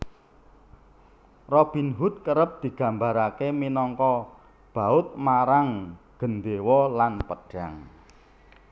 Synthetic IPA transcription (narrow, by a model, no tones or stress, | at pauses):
rɔb̥i̤nɦut̪̚kəɾəp̚d̪̥i̤ɡ̥ä̤mbaɾakeminɔŋkɔ | b̥a̤ʊt̪̚maɾaŋɡ̥ə̤nd̪ewɔlanpəɖ̥aŋ